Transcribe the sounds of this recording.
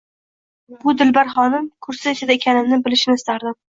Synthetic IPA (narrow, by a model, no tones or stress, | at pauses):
bʊd̪ɪlbaɾχɒnɪmkʰʊɾsɪesɪd̪aekʲʰanɪmnɪbɪlɪʃɪnɪɪst̪aɾd̪ɪm